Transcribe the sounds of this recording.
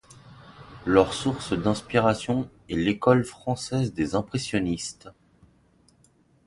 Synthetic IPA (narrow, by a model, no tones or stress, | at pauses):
lœʁsuʁsd̪ɛ̃spiʁasjɔ̃ɛlekɔlfχɑ̃sɛzd̪ezɛ̃pχesjɔnist̪